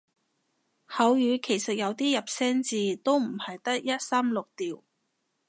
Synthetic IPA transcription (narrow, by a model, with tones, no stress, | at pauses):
hɐ˨˧wjyː˨˧kʰe˨˩jsɐ˨t̚jɐ˨˧wt̪iː˥jɐ˨p̚sɛː˥ŋt͡siː˨˧t̪o˥wm̩˨˩hɐ˨jt̪ɐ˥k̚jɐ˥t̚saː˥mlʊ˨k̚t̪iː˨w